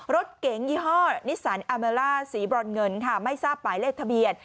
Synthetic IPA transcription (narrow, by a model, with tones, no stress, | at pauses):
ɾo˦˥t̪̚ke˨˦ŋjiː˧˩ɦɔː˥˩ni˦˥saː˩˦nʔaː˧meː˧laː˥˩siː˩˦bɾɔː˧nŋɤ˧nkʰa˥˩ma˥˩jsaː˥˩pːaː˩˦jleː˥˩k̚t̪ʰa˧bi˨˩ət̪̚